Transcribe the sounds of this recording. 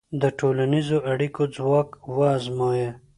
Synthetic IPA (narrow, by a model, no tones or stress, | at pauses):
d̪əʈolanizoʔaɽikod͡zwɑːkwɑːzmoje